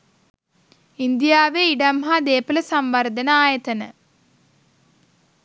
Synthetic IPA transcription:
ind̪jaːʋeiɖɐmɦaːd̪eːpɐlɐsɐmʋɐrd̪ʱɐnɐaːjɐt̪ɐnɐ̰

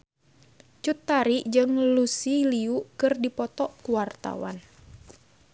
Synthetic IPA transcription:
t͡ʃut̪ːaɾiʔd͡ʒɨŋlusiliuʔkɨrdipɔt̪ɔʔkuwart̪a̰wa̰n

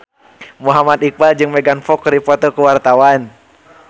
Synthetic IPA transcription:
muɦamat̪ik̚bald͡ʒɨŋmɛɡanfɔkɾipɔt̪ɔkəwart̪awan

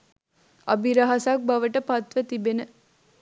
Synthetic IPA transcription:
ɐ̰biɾɐɦasak̚bɐʋəʈəpɐt̪ʋət̪ibenə

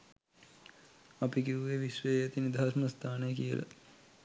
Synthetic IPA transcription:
ɐpikiuʋeʋisʋəjjat̪inid̪ʱaɾməst̪ʰaːnejəkijə̰la̰

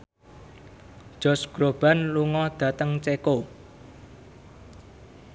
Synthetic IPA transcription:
d̥ʒ̥ɔ̤sɡ̥ɾob̥a̤nluŋɔd̪̥ä̤t̪əŋt͡ʃeko

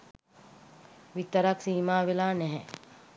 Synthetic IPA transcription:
ʋit̪əɾaksiːmaːʋelaːnɛɦɛ

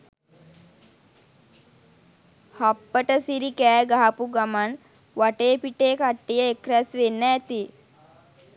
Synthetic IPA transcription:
hapːəʈəsiɾikæːɡaɦapuɡaman | ʋaʈeːpiʈeːkaʈːijəekɾæsʋenːəːt̪i

